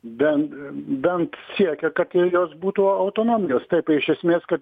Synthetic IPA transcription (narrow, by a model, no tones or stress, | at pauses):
bʲɛnbʲɛnt̪sʲiɛkʲɛkɐt̪ɪjoːsbuːt̪uoɐʊt̪oːnoːmʲɪjoːst̪ɐɪpɐɪʃʲɛsʲmʲeːskɐt̪